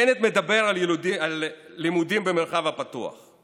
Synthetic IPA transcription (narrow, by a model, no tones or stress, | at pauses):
enet̪med̪abe̞ʁaludialːimud̪imbemelχavhapatua̰χ